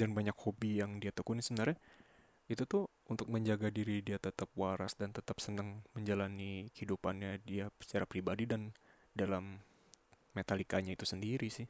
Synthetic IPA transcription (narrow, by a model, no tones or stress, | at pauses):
danbaɲakhobijaŋdiat̪əkunisəbənarɲa | it̪ut̪ʊh | unt̪ʊk̚məɲd͡ʒaɡadiɾidiat̪ət̪ap̚waɾa̰sdant̪ət̪apsənaŋməɲd͡ʒalanikəhidupanɲadiasə̥t͡ʃaɾapɾibadidan | dalamː | et̪alikaɲait̪usəndiɾisɪh